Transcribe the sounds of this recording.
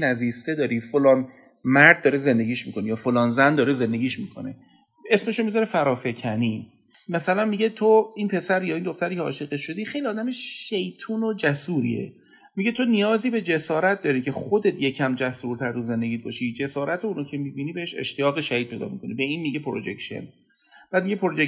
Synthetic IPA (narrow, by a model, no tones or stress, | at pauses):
næziːst̪ed̪ɒːɾifolɒːn | mæɾd̪̚ːɒːɾeze̞nd̪e̞ɟiːʃmikʰo̞nejɒːfolɒːnzænd̪ɒːɾeze̞nd̪e̞ɡʲiːʃmiːkʰo̞nḛ | e̞sme̞ʃomizɒɾefæɾɒːfe̞cʰæniː | mæsælænmiɟe̞t̪ʰoiːnpʰe̞sæɾjɒːind̪oxt̪æɾiːcʰeɒ̰ːʃiːɣeʃo̞d̪iːxe̞jliɒːd̪æmeʃʃejt̪ʰuːnod͡ʒæsuːɾḭḛ | miɟet̪ʰonijɒːziːbe̞d͡ʒe̞sɒːɾæt̪̚d̪ɒːɾicʰe̞χo̞d̪e̞t̪ʰje̞cʰæmd͡ʒæsuɾt̪ʰæɾd̪uze̞nd̪eɡiːt̪̚bɒ̰ːʃid͡ʒe̞sɒːɾæt̪ʰouːnoːcʰe̞mibiːniːbeheʃḛʃt̪ijɒːɣeʃæhiːd̪̚pʰe̞jd̪ɒ̰ːmḭkʰo̞nibe̞iːnmiɟepʰoɾod͡ʒḛkʃḛn | b̥æːd̪miɟepʰoɾod͡ʒe